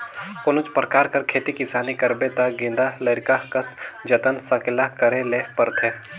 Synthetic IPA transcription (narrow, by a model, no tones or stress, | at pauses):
pʊnʊt͡ʃpɾəkaːɾkɐɾkʰeːt̪ikɪsaːnikɐɾbet̪aɡɪ̃nd̪alɐɾkakɐsd͡ʒɐt̪ənsɐkɪlakɐɾeleːpɐɾt̪ʰeː